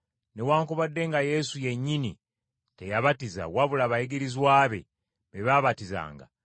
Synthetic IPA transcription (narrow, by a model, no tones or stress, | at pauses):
ne̞waːŋkoβadːe̞ŋɡaje̞suje̞ɲːini | te̞jaβatiza̰waβulaβajeɡeɾizwaːβe̞̰ | βeβaβatiza̰ːŋɡa̰